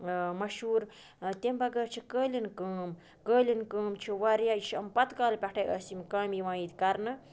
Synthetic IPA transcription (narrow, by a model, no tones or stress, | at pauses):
mɐʃuːɾ | t̪embɐɡəɾt͡ʃʰikəːlʲinkəːm | kəːlʲinkəːmt͡ʃʰiʋɐɾjait͡ʃʰɐmpɐt̪kaːlpʲeʈʰɐjʔəːsimkaːmjiʋãːit̪kɐɾnɨ